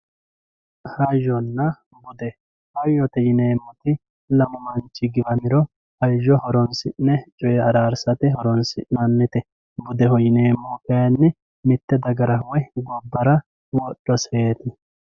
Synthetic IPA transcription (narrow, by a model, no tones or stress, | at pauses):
hɐjɔnːɐ | bʊd̪ɛ | hɐjɔt̪ɛjɪneːmːʊt̪ɪ | lɐmɔmɐnt͡ʃːɪɡɪbɐmɪɾɔ | hɐʒːɔhɔɾɔnsɪʔnɛt͡ʃʼɔjɛɐɾaːɾsɐt̪ɪɦɔɾɔnsɪ̰ʔnɐnːɪt̪ɛ | bʊd̪ɛhɔjɪneːmːɔkɐjɐnːɪ | mɪt̪ːɛd̪ɐɡɐɾɐwɛɡɔbːɐɾɐ | wɔɗːɔseːt̪ɪ